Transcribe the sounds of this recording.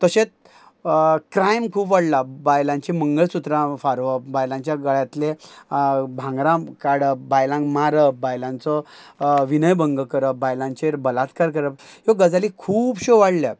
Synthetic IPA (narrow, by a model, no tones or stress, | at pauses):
t̪əɕet͡s | kɾajmkʰuːpʋaɽlabajlãɲt͡ɕiməŋɡəɭsut̪ɾãfaɾʋəbajlãɲt͡ɕjaɡəɭjat̪le | bʱãŋɡɾãkaɽəbajlãŋmaɾəbajlãnt͡sɔ | ʋinəjbəŋɡəkəɾəp̚bajlãnt͡ɕeɾbəlat̪kaɾkəɾəp̚ɦjoɡəd͡zalikʰuːbɕoʋaɽlja